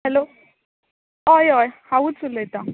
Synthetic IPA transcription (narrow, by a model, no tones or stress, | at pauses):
hɛlo | ɔjɔjhawut͡sʰulet̪aŋ